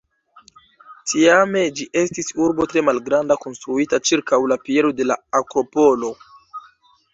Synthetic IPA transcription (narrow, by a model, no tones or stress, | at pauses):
tʰiame̞d͡ʒiʔe̞stisuɾbo̞tɾe̞malɡɾandako̞nstɾuitat͡ʃiɾkawlapie̞ɾo̞de̞la̰akɾo̞po̞lo̞